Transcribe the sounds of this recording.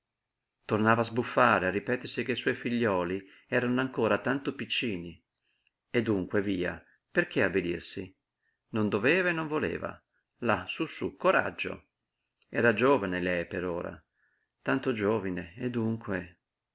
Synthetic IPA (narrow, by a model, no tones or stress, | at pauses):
t̪ornaːvaːzbufːaːɾearːipɛːt̪ersik̟eiswɔjfiʎːɔːli | ɛːɾanoaŋkoːɾat̪ant̪opit͡ʃːiːni | ed̪ːuŋkweviːa̰ | perk̟eabid̪ḭrsi | nond̪ovɛːvaenːoɱvolḛːva̰ | lasusukoɾa̰d͡ʒːo̰ | ɛːɾad͡ʒoːvanelɛjpeɾoːɾa̰ | t̪ant̪od͡ʒoːvineed̪ːuŋkwe